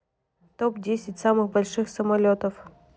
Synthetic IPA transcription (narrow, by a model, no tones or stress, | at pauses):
t̪opdʲesʲɪtʲsamɨxbɐlʲʂɨxsəmɐlʲot̪əf